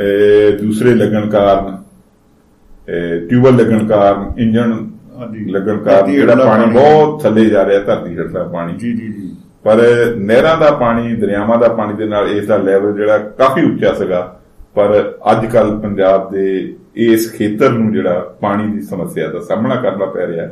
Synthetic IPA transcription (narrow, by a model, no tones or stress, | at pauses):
d̪uːsɾeːləɡəɳkaːɾn | ʈjuːbəɾləɡəɳkaːɾnɪ̃ɲd͡ʒəɳ | ləɡəɳkaːɾd͡ʒeːɽaːpaːɽ̃ĩːbɔːt̪t͡ʃʰəlːeːd͡ʒaːɾeɛːt̪əɾd̪iːʃʰəʈʰɾaːpaːɽ̃iː | pəɾnɛːɾãːd̪aːpaːɽ̃iːd̪əɾjaːmãːd̪aːpaːɽ̃iːd̪eːnaːleːsd̪aːlɛːʋəld͡ʒeːɽaːkaːfʰiːʊtːʃaːsəɡaː | pəɾə̰d͡ʒkəlpəɲd͡ʒaːb̚d̪eː | eːskʰeːt̪əɾnũːd͡ʒeːɽaːpaːɽ̃iːd̪iːsəməsːɪjaːd̪aːsaːmɳaːkəɾnaːpɛ̰ːɾeaː